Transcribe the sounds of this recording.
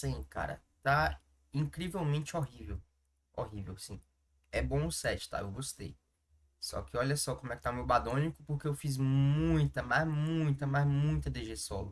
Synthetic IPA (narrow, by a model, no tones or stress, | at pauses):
sĩka̰ɾɐ̰ | t̪a | ĩkɾivewmẽnt͡ʃɪoɦivew | oɦivewsĩ | ɛbõʊsɛt͡ʃɪ̥t̪a̰ḛwɡost̪ḛj | sɔ̰kɪɔʎɐsɔkõmʊɛkɪ̥t̪ãmewbad̪õnikʊpoɾkeewfizmmũj̃t̪ɐmazmũj̃t̪ɐmazmũj̃t̪ɐd̪eʒesɔlʊ